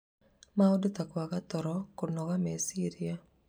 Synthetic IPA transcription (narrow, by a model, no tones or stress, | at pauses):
maodot̪akwaɣat̪ɔɾɔkonɔɣamesiɾia